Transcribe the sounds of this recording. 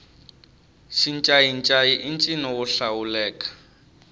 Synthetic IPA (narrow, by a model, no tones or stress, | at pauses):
ʃint͡ʃʼaint͡ʃʼaiʔint͡ʃʼinɔʊɬaulɛːkʼḁ